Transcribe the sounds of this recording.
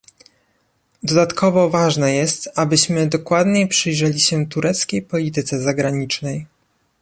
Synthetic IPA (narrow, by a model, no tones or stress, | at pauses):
d̪ɔd̪at̪kʰɔvɔvaʐnɛjɛst̪abɘɕmɘd̪ɔkwad̪ɲepʂɘjʐɛlʲiɕɛt̪uɾʔɛt̪skʲejpɔlʲit̪ɘt̪sɛzaɡɾaɲit͡ʂnɛj